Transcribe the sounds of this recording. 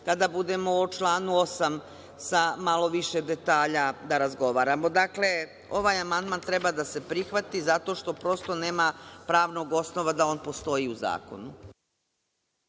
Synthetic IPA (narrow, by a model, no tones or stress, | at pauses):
kad̪abud̪e̞mo̞ot͡ʃlˠaːnuo̞sam | samalo̞ʋiʃe̞d̪e̞t̪aːʎad̪aɾazɡo̞ʋaːɾamo̞d̪akle̞ | o̞ʋaːjamand̪maːnt̪ɾe̞bad̪ase̞pɾixʋat̪izat̪o̞ʃt̪o̞pɾo̞st̪o̞ne̞ːmapɾaːʋno̞ɡo̞sno̞ʋad̪ao̞ːnpo̞st̪o̞iuza̰ːko̞̰nu